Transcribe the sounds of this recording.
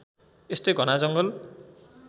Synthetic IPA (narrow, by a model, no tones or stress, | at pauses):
est̪ojɡʌnad͡zʌŋɡɔl